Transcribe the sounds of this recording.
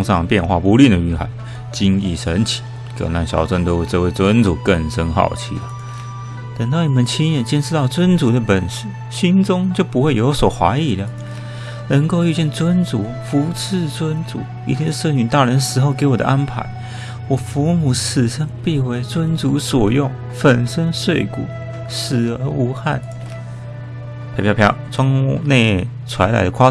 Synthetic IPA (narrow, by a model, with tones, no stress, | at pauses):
ŋʂɑ˥˧ŋpjɛ˥˧nxwa̰˥˩pu˧˥li˥˩nd̪ə˩y˧˥xa̰˧˥˦ɪ | t͡ɕi˥nḭ˥˩ʂə˧˥nt͡ɕʰi̥˨˩˦ | kə̰˨˩na̰˥˩nɕjɑ̰˨˧˥ʊt͡sə˥˧nt̪o˥ʊwe˥˧ɪt͡sə˧we˥˩ɪt͡swə˥nt͡su˨˩˦kə˥˨˩nʂə˥nxɑ̰˥˩ʊt͡ɕʰḭ˥lə˩ | t̪ə˨˩ŋt̪ɑ˥˩ʊni˨˩mə˨nt͡ɕʰi˥njɛ˨˩nɕjɛ˥nʂɻ̩˥t̪ɑ˥˩ʊt͡swə˥nt͡su˧˥d̪ə˧pə˨˩nʂ̩˥˩ | ɕi˥nt͡sʊ˥ŋt͡ɕjo˥˩ʊpu˧˥xwe˥˩ɪjo˧˥ʊswɔ˨˩xwa̰˧˥ɪi˨˩d̪ə˨ | nə˧˥ŋko˥˧ʊy˥˧t͡ɕjɛ˥˩nt͡swə˥nt͡su˧˥ | fu˧˥t͡s̩ʰ˥˧t͡swə˥nt͡sṵ˧˥˦ | ḭ˧˩t̪ʰɛ˥˧ʂə˥˩ny˨˩nt̪a˥˩ɻə˧˦˥nʂɻ̩˧˥xo˥˧˩ʊke˧˥ɪwɔ˨˩də̰˦ʔa˦˥npʰa̰˧˥ɪ | wɔ˨˩fu˧˥mu˨˩ʂ̩ʰ˨˩ʂə˥ŋpi˥˧we˧˥ɪt͡swə˥nt͡su˧˥swɔ˨˩jʊ˥˩ŋ | fə˨˩nʂə˥ŋʂwe˥˩ɪkṵ˨˩˦ | ʂɻ̩˨˩ə˧˥u˧˥xa̰˥˩n | pʰe˧˥pʰjpʰjɑ̰˥˩ʊʈ͡ʂwɑ˥ŋ˧ne˥˧ɪ | t͡sʰwa̰˧˥ɪla̰˧˥ɪd̪ə˧kʰa˥